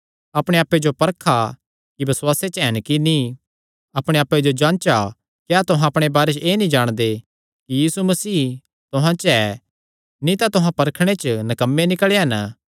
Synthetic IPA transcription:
ɐpɽ̃eaːpːed͡ʒopɐɾkʰa | kibɐswaːset͡ʃɦɛnkini | ɐpɽ̃eaːpːed͡ʒod͡ʒãːnt͡ʃa | kjaːt̪ʊɦãɐpɽ̃ebaːɾet͡ʃeːnĩd͡ʒaːɽ̃d̪e | kijiːsumɐsiː | t̪ʊɦãt͡ʃɛ | nĩt̪at̪ʊɦãpɐɾkʰɽ̃et͡ʃnɐkɐmːenɪkɭeɦɐn

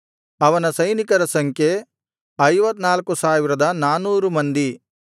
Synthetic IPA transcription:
ɐʋɐnɐsɐjnikɐɾɐsɐŋkʰje | ɐjʋɐt̪ːnaːlkusaːʋiɾɐd̪ɐnaːnuːɾumɐnd̪i

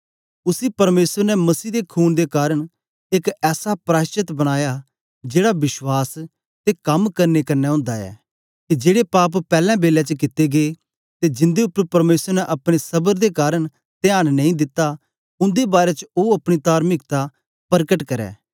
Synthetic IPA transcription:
ʊsipɐɾmeːsəɾnɛmɐsiːd̪ekʰuːnd̪ekaːɾəɽ̃ | ekɛːsapɾaːʃt͡ʃɪt̪bɐɽ̃aːja | d͡ʒeːɽabɪʃwaːs | t̪ekɐmkɐɾnekɐnːɛɦʊ̃ːnd̪aɛ̰ː | kid͡ʒeːɽepaːp̬pɛːlɛ̃beːlɛt͡ʃəkɪt̪ːeɡeː | t̪ed͡ʒɪ̃nd̪eʊpːəɾpɐɾmeːsəɾnɛʔɐpɽ̃esɐbəɾd̪ekaːɾəɽ̃ | t̪eaːɽ̃nɐ̃ĩd̪ɪt̪ːa | ʊ̃nd̪ebaːɾɛt͡ʃəoɐpɽ̃it̪aːɾmɪkt̪a | pɐɾkəʈkɐɾɛ̰ː

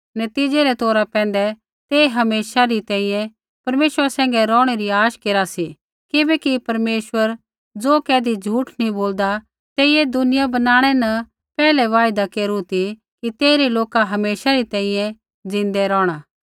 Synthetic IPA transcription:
nɐt̪iːd͡ʒeɾɛt̪oːɾapɛ̃ːn̆d̪ɛ | t̪eːɦɐmeːʃaɾit̪ɛ̃ːĩjɛ̃ | pɐɾmeːʃwəɾasɛ̃ːŋɡɛɾɔːɽ̃eɾiaːʃkeːɾasi | kɪbɛkipɐɾmeːʃwəɾ | d͡zoːkɛːd̪id͡ʒʱuːʈnĩboːld̪a | t̪eːɪed̪ʊnɪjabɐnaːɽ̃ɛnɐ | pɛːlɛʋaːɪd̪akeːɾut̪ʰi | kit̪eːɾiloːkaɦɐmeːʃaɾit̪ɛ̃ːĩjɛ̃ | d͡zɪ̃nd̪ɛɾɔːɽ̃a

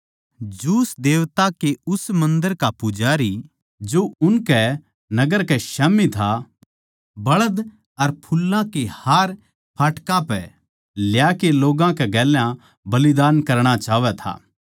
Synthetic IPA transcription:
d͡ʒuːsd̪eːʋt̪akeʊsmɐ̃nd̪əɾkapʊd͡ʒaːɾi | d͡ʒoʊnkɛ | nɐɡəɾkɛʃɐːmit̪ʰa | bɐɭəd̪ | ɐɾpʰʊlːãkehaːɾ | pʰaːʈkãpɛ | ljaːkeloːɡãkɛɡɛːljã | bɐlɪd̪aːnkɐɾɽ̃at͡ʃaːʋɛt̪ʰa̰ː

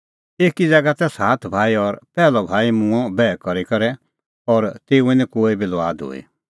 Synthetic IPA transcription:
eːkid͡zɐɡat̪ɛsaːt̪ʰbʱaːiɔɾpɛːlɔbʱaːimũɔ̃bɛːkɔɾikɔɾɛ | ɔɾt̪eːuɛ̃nĩkoːibilʋaːd̪ɦo̰ːḭ

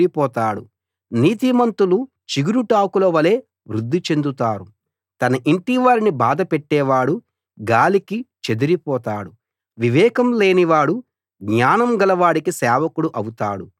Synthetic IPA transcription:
ɾipɔːt̪aːɽu | niːt̪imɐnt̪ulu | t͡ʃiɡiɾuʈaːkulɐʋɐle̞ː | ʋɾud̪ʱːit͡ʃe̞nd̪ut̪aːɾu | t̪ɐnɐʔiɳʈiʋaːɾinibaːd̪ɐpɛʈːɛːʋaːɽu | ɡaːlikit͡ʃe̞d̪iɾipɔːt̪aːɽu | ʋiʋɛːkɐmle̞ːniʋaːɽu | ɡɲaːnɐmɡɐlɐʋaːɽikisɛːʋɐkuɽuʔɐwut̪a̰ːɽu

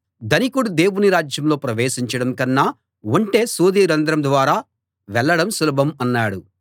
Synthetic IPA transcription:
d̪ɐnikuɽud̪e̞ːwuniɾaːd͡ʒjɐmlo̞ːpɾɐʋeːʃiɲt͡ʃɐɽɐmkɐnːaː | ʋɐɳʈeːsuːd̪iːɾɐnd̪ɾɐmd̪ʋaːɾaː | ʋɛɭːɐɽɐmsulɐbʱɐmɐnːaːɽu

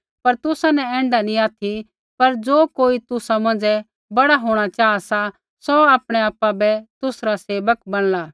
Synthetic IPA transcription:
pɐɾt̪ʊsanɛɛ̃ːɳɖanĩaːt̪ʰi | pɐɾd͡ʒoːkoːit̪ʊsamɐ̃nd͡ʒɛ | bɐɽaɦoːɽ̃at͡ʃaːasa | sɔaːpɽ̃ɛaːpːabɛt̪ʊsɾaseːʋəkbɐɽ̃laː

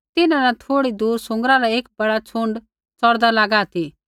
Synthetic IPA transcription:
t̪ɪnãnat̪ʰoːɽid̪uːɾsʊ̃ŋɡɾaɾaeːk̚bɐɽat͡sʰʊ̃ɳɖ | t͡sɔɽd̪alaɡaːt̪ʰi

